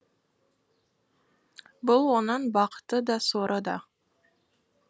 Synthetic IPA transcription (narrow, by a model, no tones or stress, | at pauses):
bʊlˠwonɤnbɑqt̪əd̪ɑsoɾʔəd̪ɑ